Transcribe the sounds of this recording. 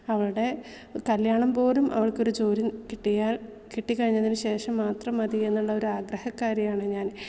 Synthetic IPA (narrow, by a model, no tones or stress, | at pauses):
ɐʋɐɭuɽe̞ | kɐljaːɳɐmbo̞ːlumʔɐ̰ʋɐɭko̞ɾut͡ɕo̞ːɾinkiʈːijaːl | kiʈːikːɐɻiɲːɐðinɨɕe̞ːʂɐmːaːt̪rɐmɐðie̞nːuɭːɐo̞ɾuaːɡrɐhɐkːaːɾjɐjaːɳɨɲaːn